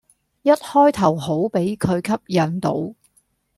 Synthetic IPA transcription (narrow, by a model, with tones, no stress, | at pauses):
jɐ˥t̚hɔː˥jt̪ʰɐ˨˩wɦo˨˥wpe˨˥jkʰɵ˨˧ɥkʰɐ˥p̚jɐː˨nt̪o˨˥w